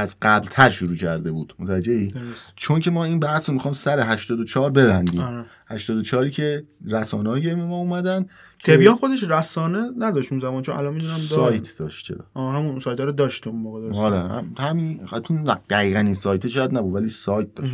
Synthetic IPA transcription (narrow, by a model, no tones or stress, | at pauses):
æzɢæblt̪ʰæɾʃuɾuːcʰæɾd̪e̞buːd̪̥mot̪ʰææd͡ʒːeiːd̪t͡ʃʰo̞ncʰe̞mɒːiːnbæhsɾomixɒːjmsæɾeɦæʃt̪ɒːd̪ot͡ʃʰɒːɾbe̞bænd̪iːmɾ | hæʃt̪ɒːd̪ot͡ʃʰɒːɾiːcʰe̞ɾæsɒ̰ːnehɒjɟeɾimemɒːumæd̪æn | tʰebijɒmxod̪eʃɾæsɒːnenæd̪ɒʃt̪unzæmɒːnt͡ʃʰonæ̰lɒnmid̪unæmsɒjt̪ʰd̥̪ɒ̰ʃt̪t͡ʃʰḛɾɒ̰ɒːɦæmunsɒːjt̪ʰɒɾod̪ɒːʃt̪umoɣed̪ɒɾehæ̰hæmint̪ʰunæd̪̥æɣiːɣæniːnsɒːjt̪ʰeʃɒːjæd̪̚næbud̪vælisɒːjt̪̚d̪ɒʃ